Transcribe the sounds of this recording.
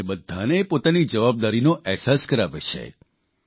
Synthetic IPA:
ebəd̪ʱːanepot̪anid͡ʒəʋab̚d̪aɾinoʔɛɦsaskəɾaʋet͡ʃʰḛ

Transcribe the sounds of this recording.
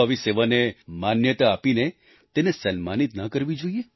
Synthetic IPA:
əʋiseʋanemanjət̪aːpine | t̪enesənmanit̪nakəɾʋid͡ʒoie

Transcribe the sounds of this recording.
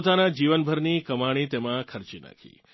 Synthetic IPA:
ot̪anad͡ʒiʋənbʱəɾnikəmaɽ̃it̪emãkʰəɾt͡ʃina̰kʰḭ

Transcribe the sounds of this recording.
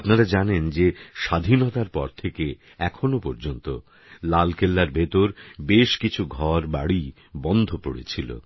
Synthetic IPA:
apnaɾad͡ʑanend͡ʑeʃad̪ʱinot̪aɾpɔ̰ɾt̪ʰeke | ɛkʰonopɔɾd͡ʑont̪o̰ | lalkʰelːaɾbʱet̪oɾbeʃkit͡ɕʰuɡʱɔɾbaɽi | bɔnd̪ʱopo̰ɽḛt͡ɕʰilo̰

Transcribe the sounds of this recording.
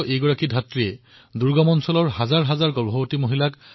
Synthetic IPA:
ʔejɡɔɹakidʱatɹiɛ | duɹɡɔmɔnsɔlɔɹhazaɹɦazaɹɡɔɹbʱɔbotimoɦilak

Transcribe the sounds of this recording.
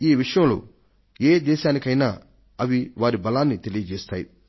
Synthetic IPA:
iːʋiʂɐjɐ̃mlo̰ː | eːd̪ɛːʃaːnikɐjnaː | ɐʋiʋaːɾibɐlaːnːit̪elijɐd͡ʒeːst̪aːjḭ

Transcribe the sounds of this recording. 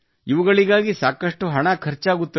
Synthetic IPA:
iʋuɡɐɭiɡaːɡisaːkɐʂʈuɦɐɳɐkʰɐɾt͡ʃaːɡut̪ːi

